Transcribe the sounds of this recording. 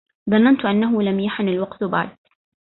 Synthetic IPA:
ðˤɑnːant̪ʔanːaɦʊlamjaħnɪlwɑqt̪ba̰ʕd̪

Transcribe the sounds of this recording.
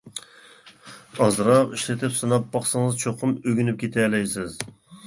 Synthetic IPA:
ɑzɾɑqiʃlɪt̪ʰɪpsɨnɑpːɑχsɨŋɨzt͡ʃʰoqʰʊmøɡʲynyp̚kʲʰet̪ʰɛlɛjsɪz

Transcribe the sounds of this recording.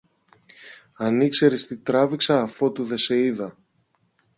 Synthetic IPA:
ɐnikse̞ɾist̪it̪ɾɐviksɐːfo̞t̪uðe̞se̞iðɐ

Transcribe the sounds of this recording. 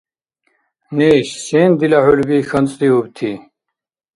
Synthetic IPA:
niːɕseːnd̪ilahulbiːxənt͡sʼd̪iubt̪ʰi

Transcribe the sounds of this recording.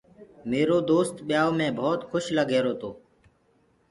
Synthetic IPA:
meːɾoːd̪oːst̪ɓɪjaːoːmẽːbʱɔːt̪xʰʊʃləɡʱeːɾoːt̪oː

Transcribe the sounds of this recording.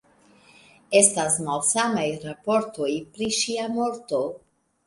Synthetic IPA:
e̞stasmalsamajɾapo̞ɾto̞jpɾiʃiamo̞ɾto̞

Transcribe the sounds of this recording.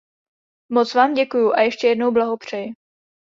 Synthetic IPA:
mot͡svaːmɟɛkujuʔajɛʃcɛjɛdno̞wblaɦo̞pr̝̥ɛjɪ

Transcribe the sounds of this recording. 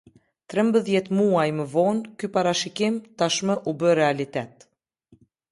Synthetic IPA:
t̪ɾɛmbəðjɛt̪muajməvɔnkypaɾaʃikimt̪aʃməʔubəɾɛalit̪ɛt̪̚

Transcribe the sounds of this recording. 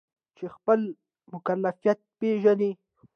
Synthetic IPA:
t͡ʃexpəl | mʊkalːafijat̪̚peʒani

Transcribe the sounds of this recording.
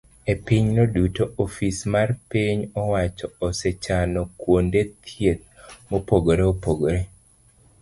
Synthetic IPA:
epiɲnodutoʔofismarpiɲɔwat͡ʃɔːset͡ʃanɔkwondet̪ʰjet̪̚mopoɡoɾeopoɡoɾe

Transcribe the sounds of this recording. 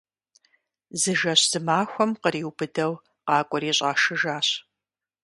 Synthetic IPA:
zɨʒɐɕz̥ɨmaːxʷɔmqəɾiːwbɨdɐw | qɑːkʷʼɔɾiːɕʼɑːʃɨʒaːɕ

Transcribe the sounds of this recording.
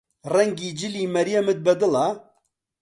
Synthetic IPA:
rɛŋɡiːd͡ʒɪliːmɛɾijɛmɨt̪̚bɛd̪ɨla

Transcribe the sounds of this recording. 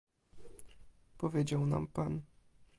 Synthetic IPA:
pɔvʲjed͡ʑawna̰mpan

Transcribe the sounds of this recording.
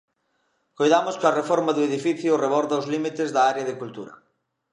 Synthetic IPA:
kojðamʊskɐrefɔɾmaðʊeðifiθjʊreβɔɾðawzlimit̪ɪzðɐaɾjaðɪkult̪uɾɐ̰

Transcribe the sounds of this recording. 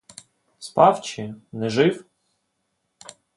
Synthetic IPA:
spɑwt͡ʃɪnɛʒɪw

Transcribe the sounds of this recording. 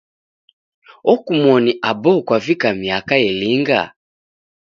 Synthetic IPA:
ɔkumwɔniʔabɔkwavikamiakajɛliŋɡa̰

